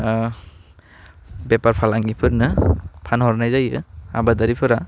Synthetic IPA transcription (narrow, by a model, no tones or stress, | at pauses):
bepaɾpʰalaŋɡipʰɯɾnɯpʰanhɔɾnajzajɯa̰badaɾipʰɯɾa